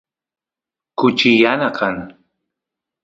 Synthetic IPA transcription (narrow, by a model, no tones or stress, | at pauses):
kʊt͡ʃɪjanakʰaŋ